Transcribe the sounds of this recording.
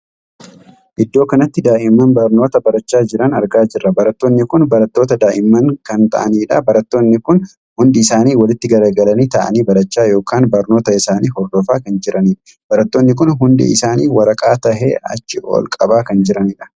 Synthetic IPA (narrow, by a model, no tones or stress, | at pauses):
ʔɪd̪ːo̞ːkɐnɐt̪ːɪd̪aːʔɪmːɐnbɐɾno̞ːt̪ɐbɐɾɐt͡ʃːaːd͡ʒɪɾɐnɐɾɡaːd͡ʒɪrːɐbɐɾɐt̪ːo̞ːnːɪkʊnbɐɾɐt̪ːo̞ːt̪ɐd̪aːʔɪmːɐŋkɐnt̪ɐ̰ʔɐ̰niːᶑɐbɐɾɐt̪ːo̞ːnːɪkʊn | hʊnd̪ɪɪsaːniːwɐlɪt̪ːɪɡɐɾɐɡɐlɐniːt̪ɐʔɐ̰niːbɐɾɐt͡ʃːaːjoːkaːnbɐɾno̞ːt̪ɐɪsaːniːhɔɾd̪ɔfaːkɐnd͡ʒɪɾɐniːᶑ | b̥ɐɾɐt̪ːo̞ːnːɪk̬ʊnɦʊnd̪ɪ̰ɪsaːniːwɐɾɐkʼaːt̪ɐhḛːɐ̰t͡ʃːɪʔo̰lkʼɐbaːkɐnd͡ʒɪɾɐniᶑɐ̥